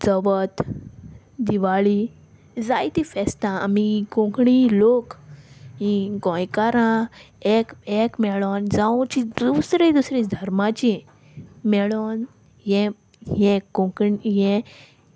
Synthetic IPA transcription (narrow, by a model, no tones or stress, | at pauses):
d͡zəʋət̪ | d̪iʋaɭiː | d͡zajt̪ifɛst̪ãamiɡõkɳilokɦĩɡɔ̃jkaɾã | ekekmɛɭond͡zãt͡ɕid̪usɾid̪usɾid̪ʱəɾmat͡ɕi | mɛɭon | jɛ̃ | ɦɛ̃ɡõkɳijɛ̃